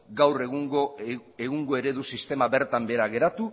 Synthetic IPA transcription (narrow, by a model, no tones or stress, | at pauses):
ɡawreɣuŋɡoeɣuŋɡo̞e̞ɾe̞ðusist̪e̞maβe̞ɾt̪ambe̞ɾaɣe̞ɾat̪u